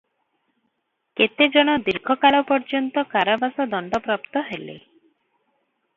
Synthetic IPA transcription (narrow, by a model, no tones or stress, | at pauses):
ket̪ed͡ʒɔɽ̃ɔd̪iɾɡʰʱɔkaɭɔpɔɾd͡ʒɔnt̪ɔkaɾabasɔd̪ɔɳɖɔpɾɔpt̪ɔɦelḛ